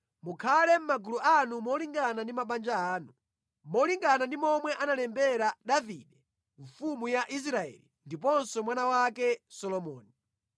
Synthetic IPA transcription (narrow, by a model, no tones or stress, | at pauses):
mukʰalɛm̩maɡuluʔanumɔliŋɡanandimaɓand͡ʒaaːnu | mɔliŋɡanandimɔmwɛʔanalɛmbɛɾaɗaviɗɛ | ɱfumujaʔis̬ɾaɛ̰lindip̬ɔnsɔmwanawakɛsɔlɔmɔːni